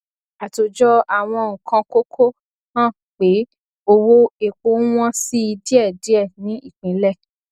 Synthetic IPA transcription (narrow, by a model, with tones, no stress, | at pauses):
a˨to˨d͡ʒɔ˦a˨w̃ɔ̃˧ŋ̩˨kʰã˧ko˦kʰo˦ | hã˦˨ | k͡pe˨˦ | o˧wo˦e˨k͡po˦w̃ɔ̃˦si˦i˧di˦ɛ˦˨di˨˦ɛ˦˨nĩ˨˦i˦˨k͡pĩ˨˦lɛ˦˨